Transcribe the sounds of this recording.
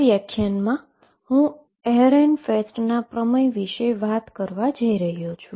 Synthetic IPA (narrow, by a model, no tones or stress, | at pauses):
jakʰːjanmã | hũ | ɛɦɾenfesʈnapɾəməjʋiʃeʋat̪kəɾʋad͡ʒəiɾəɦijot͡ʃʰu